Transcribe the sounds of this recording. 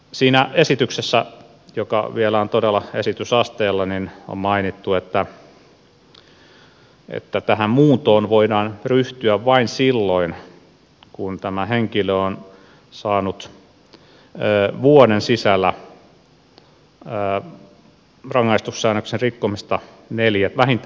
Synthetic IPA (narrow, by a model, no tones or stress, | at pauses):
siːnæesit̪yksesːæ | jokɑ̰ʋielæont̪odelːˑɑesit̪ysɑst̪eːlːɑnino̰mmɑinit̪ːuet̪ːæ | ḛt̪ːæt̪æhæmmuːt̪oːnʋoidɑːnryht̪yæʋʋɑinsilːoin | kunt̪æmæheŋkiløon | sɑːnut̪ | əːʋuodensisælːˑæ | rɑŋːɑist̪ussæːnøksenrikːomist̪ɑ | neljæt̪ʋæhint̪